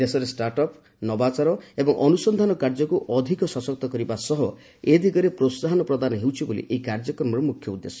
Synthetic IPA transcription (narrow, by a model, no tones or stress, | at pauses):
d̪esɔɾesʈaɾʈɔp | nɔbat͡ʃaɾɔebɔŋʔɔnusɔnd̪ʱanɔkaɾd͡ʒɔkuʔɔd̪ʱikɔsɔsɔkt̪ɔkɔɾibasɔɦɔ | ed̪ʱikɔɾepɾosaɦɔnɔpɾɔd̪anɔɦewt͡ʃʰibolḭʔeikaɾd͡ʒɔkɔɾmɔɾɔmukʰjɔud̪ːesɔ̥